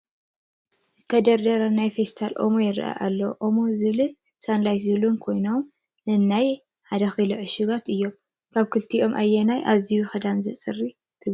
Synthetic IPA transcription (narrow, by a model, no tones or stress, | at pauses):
zzɨt̪ʰɐd̪ɐɾd̪ɐɾɐnajfest̪ʰalʔo̞̰mojɪɾ̰ʔa̰ʔalːɐwʔomozɨβli | sanlajszɨβlunkʰo̞jnom | nɨnːaj | ħad̪ɐxɨlɐʕɨʃɨɡat̪ɨjːo̞m | kʰaβkʰɨlt̪ʰiʔo̞mʔa̰jːɛnajʔazijuxɐd̪anzɨ̰t͡sʼɨrːi | k̪ʰɨ